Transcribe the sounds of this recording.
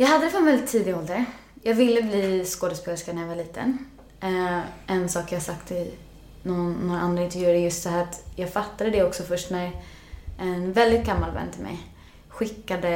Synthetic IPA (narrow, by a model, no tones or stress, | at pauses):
jɑːɡhad̪ːəd̪ɛfɔnvɛld̪ɪt̪ʰːiːd̪ɪɡɔːld̪ə | jɑːɡvɪlːəbliːskoːd̪əsbɛʂkanæɾjavaɭiːt̪ʰə̰n | ʔɛnsɑːkjɑːhasakt̪ɪ | nɔnːoɾaʔand̪ɾaɪnt̪ɛɾvjʉ̟ːaɾjɵst̪̚d̪ɛhæːɾat̪jɑːɡfat̪ːad̪əd̪ɛɔksɔfœʂʈnæɾ | ʔɛnvɛld̪ɪt̪̚ɡamːalvɛ̰nːt̪ʰɪlmɛ̰j | ɧɪkːad̪ə